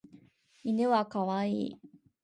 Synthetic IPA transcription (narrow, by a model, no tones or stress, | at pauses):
inɯwakawai